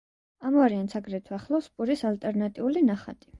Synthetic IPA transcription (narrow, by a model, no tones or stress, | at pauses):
amuaɾiant̪sʰaɡɾɛt̪ʰwaχlˠɔspʼuɾisalt̪ʼɛɾnat̪ʼiulinaχa̰t̪ʼi̥